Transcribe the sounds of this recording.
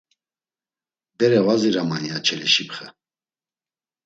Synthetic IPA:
d̪ɛɾɛvaziɾamanjat͡ʃʰɛlɛʃipχə

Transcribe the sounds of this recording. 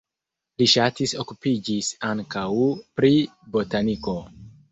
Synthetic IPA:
liʃatiso̞kupid͡ʒisaŋkawpɾibo̞taniko̞

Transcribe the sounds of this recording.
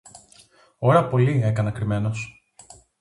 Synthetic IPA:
o̞ɾɐpo̞lie̞kɐnɐkɾime̞no̞s

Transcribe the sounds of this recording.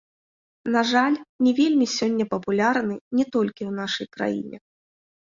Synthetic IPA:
naʐalʲnʲɛvʲelʲmʲisʲɔnʲːɐpɐpulʲarnɨnʲɛt̪ɔlʲkʲiwn̪aʂɐjkɾa̰jḭnʲɛ̰

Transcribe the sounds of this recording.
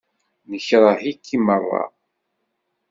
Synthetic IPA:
nəçɾˤɑhikʰːimərˤːɑ̰

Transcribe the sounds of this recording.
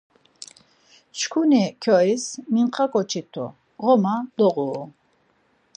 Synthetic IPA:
t͡ʃkʰunikʰɔismiɴqʼakʼɔt͡ʃʰit̪ʰɔ̰ | ʁɔmad̪̥ɔʁu

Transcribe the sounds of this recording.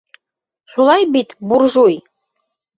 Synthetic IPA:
ʃulˠɑjbit̪burʒuj

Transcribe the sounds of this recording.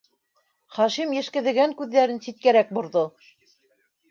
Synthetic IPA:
χɑʃimjɘ̆ʃkɘ̆ðɘ̆ɡæŋkʉðːæɾɘnsit̪̚kæɾæk̚bŏɾðo

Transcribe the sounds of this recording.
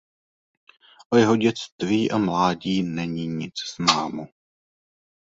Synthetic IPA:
ʔojɛɦo̞ɟɛt͡st̪viːʔamlaːɟiːnɛɲiːɲɪt͡sz̥naːmu

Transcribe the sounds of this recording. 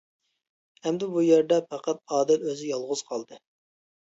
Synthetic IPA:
hɛmd̪ɛbujeɾd̪ɛpʰæqɑt̪̚ɑːd̪ɪløzɪjɑlˠʁʊz̥qʰɑlˠd̪ɨ

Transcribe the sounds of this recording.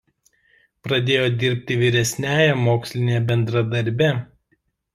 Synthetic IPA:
pɾɐd̪ʲeːjoːd̪ʲɪɾʲpʲt̪ʲɪʋʲiɾʲɛsʲnʲæːjɛmoːksʲlʲɪnʲeːjbʲɛnd̪ɾɐd̪ɐɾʲbʲɛ

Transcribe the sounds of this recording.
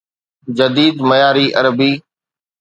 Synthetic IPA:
d͡ʒəd̪iːd̪məjaːɾiːʔɐɾəbiː

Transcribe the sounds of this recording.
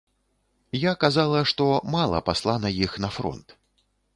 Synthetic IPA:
jakazalˠɐʂt̪ɔmalˠɐ̰paslˠanɐjixnɐfɾɔ̰nt̪

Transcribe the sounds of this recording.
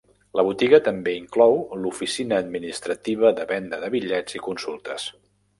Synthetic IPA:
ləβut̪iɣət̪əmbeiŋklɔwlufisinəːd̪minist̪ɾət̪iβ̞əðəβɛnd̪əðəβiʎɛd͡zikunsulˠt̪əs

